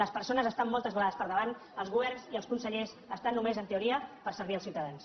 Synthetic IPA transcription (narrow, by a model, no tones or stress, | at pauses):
ləspəɾsonəzəst̪amːɔlˠt̪əzβəlaðəspəɾðəβan | əlˠzɣuβɛrnziəlˠskunsəʎez | əst̪anːumezənt̪euɾiəpəɾsəɾβ̞iəlˠsiwt̪əðans